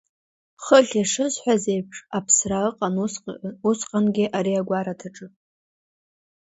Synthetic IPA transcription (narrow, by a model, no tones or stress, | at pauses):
χəɬʲaʂɨzħʷᶣazejpʰʂapʰsraəqʼanusqʼanɡʲɪʔaɾiaɡʷaɾatʰaʈ͡ʂʼɨ